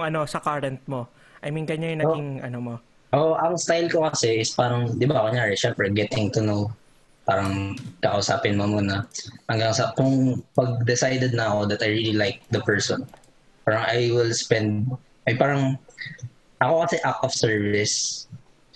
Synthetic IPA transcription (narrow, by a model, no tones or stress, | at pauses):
ŋɐno̞sɐkaːɾɐnt̪̚mo | ʔɐjmɪŋɡɐɲajʊnaɡɪŋʔɐnomo | ʔoʔʔɐŋst̪ajlkokɐsɛɪspaːɾɐŋd̪ɪbakoɲaːɹɛʃɛmpɾɛɡɛt̪ɪŋt̪ʊnow | paːɾɐŋkɐkɐ̰ʔusaːpɪnmomuːnɐhɐŋɡaŋsɐkʊŋpɐɡ̚d̪ɛsajd̪ɛd̪̚nɐko̞d̪ɐt̪ɐjɹililajk̚d̪ɐpɛɹsɔn | paːɾɐŋʔajwɪlspɛnd̪̚ | ʔɐjpaːɾɐŋ | ʔɐko̞kɐsɛʔakʔɔfsɛɹvɪs